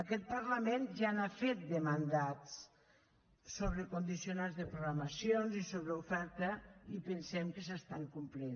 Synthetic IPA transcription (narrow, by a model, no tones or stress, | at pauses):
əkɛt̪̚pəɾləmenʒanafet̪̚d̪əmand̪at͡s | soβ̞ɾəkund̪isionazðəpɾuɣɾaməsijonzisoβɾəufɛɾt̪əipənsɛmkəsəst̪aŋkumplin